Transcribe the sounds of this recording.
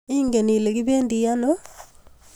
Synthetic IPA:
i˦ŋɡe˨ni˨le˨ki˦βeː˦ndi˨ja˦no˦

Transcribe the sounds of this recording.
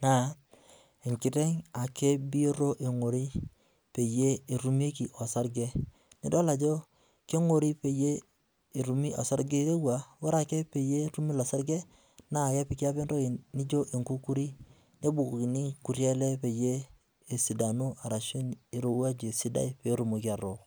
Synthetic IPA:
na˨ | e˨ŋki˨ɾe˦ŋa˨ke˦bi˦o˦ɾo˦ʔe˨ŋo˨ɾi˦ | pe˨je˦e˨ɾu˦me˦ki˨ʔo˨sa˦ɾɡe˦ | ni˨do˦la˨d͡ʒo˦ | ke˦ŋo˨ɾi˦pe˨jeː˦˨ | ɾu˨mi˦ʔa̰˨sa˦ɾɡe˦ɾe˦wa˨wa˦ɾa˦ke˦pe˨je˦ɾu˦mi˦la˨sa˦ɾɡe˦ | na˦˨ja˦pi˨ka˦pe˦ndo˦i˨ni˦d͡ʒo˦ʔe˨ŋku˦ku˦ɾi˦ | ne˦bu˨kki˨ni˦ku˨ɾje˦le˦pe˨jeː˦˨ | si˨da˨nu˦a˨ɾa˨ʃo˦ni˨ɾo˨wa˦d͡ʒe˨si˦da̰˦i˦pe˨˦ɾu˨mo˨ki˦a˨ɾo˨

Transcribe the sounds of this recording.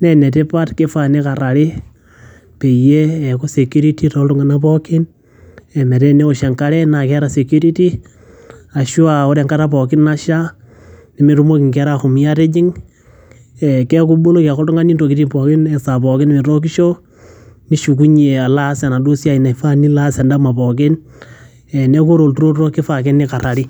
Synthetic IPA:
nɛ˨nɛ˨te˦pa˦tke˦fa˨ne˦ka˨ɾa˨ɾɪ˦ | pe˨je˦ɛ˨ko˦se˨ku˦ɾi˦ti˦to˨˦tʊ˦ŋɡa˦na˦p̬ɔkɪ˦n | ɛ˨mɛ˨ɾe˦ne˦o˨ʃe˨ŋka˦ɾɛ˦na˨kɛ˦ɾa˨se˨kju˦ɾi˦ti˦ | a˨ʃu˦a˨o˦ɾe˨ŋka˦ta˦pɔ˨kɪ˦na˦ʃa˦ | nɪ˨mɪ˦ɾu˦mo˦kɪ˨ŋkɛ˦ɾa˦xʊ˨mi˨ja˦tɛ˦d͡ʒɪ˦ŋ | ɛ˨kɛ˦k̬u˦ɓo˦lo˦kɛ˨kɔ˦ltʊ˦ŋɡa˦ni˦nto˨ki˦ti˦pɔ˨kɪ˦nɛ˨sa˨pɔ˨kɪ˦nɪ˦mɪ˨ɾo˦k̬i˦ʃo˦ | ni˦ʃu˨k̬u˦ɲe˨a˨la˦se˨na˨do˦sja˨i˨na˨i˨fa˦ni˦la˦sɛ˨nda˦ma˨pɔ˨kɪ˦n | ɛ˨ne˦ko˦ɾo˨ltu˦ɾo˦tɾo˦kɪ˦fa˨kɛ˦nɪ˦ka˨ɾa˨ɾi˦

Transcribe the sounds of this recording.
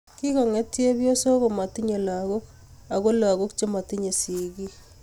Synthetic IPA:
ki˦ka˨ŋe˦tje˦βjo˦so˦ɣo˨ma˨ti˦ɲe˨la˨ɣo˦k | a˨ɣo˦la˨ɣo˦kt͡ʃe˦ma˨ti˦ɲe˨si˨ɣi˦

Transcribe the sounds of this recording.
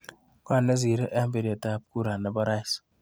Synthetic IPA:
kwa˦˨nːe˦z̬i˨ɾe˦ʔa˦mbe˨ɾi˨a˨ta˦p̚ku˦ɾa˨nːa˨bɔ˦ɾa˦s

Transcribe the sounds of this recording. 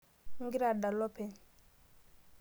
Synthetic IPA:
ŋ˦ɡi˦ɾa˨da˨lɔ˦pɛ˨

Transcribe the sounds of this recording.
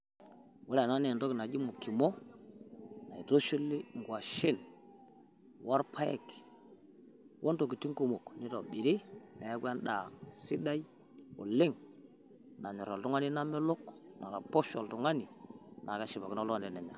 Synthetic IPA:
wu˦lna˦ne˨to˦ki˨na˨d͡ʒi˦mu˨ki˨mo˦ | na˨i˨to˦ʃi˦lːi˦ŋ˨ɡwa˨ʃi˦n | wa˦ɾpʰa˦jḛ˦˨k | wʔo˦nto˨ki˨ti˦ŋko˨mo˨kni˦to̰˨ɓi˨ɾi˦na˨ja˦ɡʷa˦nɗa˨si˦da˦i˦ | o̰˨le˦ŋ | na˨ɲi˨ɾo˨ltu˦ŋa˦ni˦na˦me˦lo˦kna˨ɾa˨po˦ʃo̰˨ltu˨ŋa˦ni˨na˨ka˦ʃi˨ba˨ki˦na˦la˨nde˨ne˨ɲa̰˨

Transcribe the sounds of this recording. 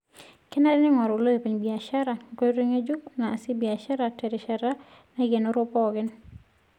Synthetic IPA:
kɛ˦nɛ˦ɾɪ˦nɪ˦ŋɔ˨ɾo˨lo˦je˨pi˨ɲbi˨a˨ʃa˦ɾa˨ko˦ɾe˦ŋe˦d͡ʒu˦naː˨sɪ˦bi˨a˨ʃa˦ɾa˨tɛ˨ɾɪ˨ʃa˨ɾa˦ | nɛ˦ɡe˨no˦ɾʊ˦pɔ˦ɡɪ˦n

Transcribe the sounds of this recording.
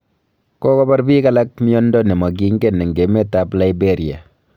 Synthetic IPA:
kɔ˦kɔ˦ba˦ɾbi˦ka˦la˦k̚mi˦ɔ˦ndɔ˦nɛ˨mɔ˨k̬i˦ŋɡe˦˨nɛ˨ŋɡe˨me˦ta˦pla˦ibe˦ɾja̰˨

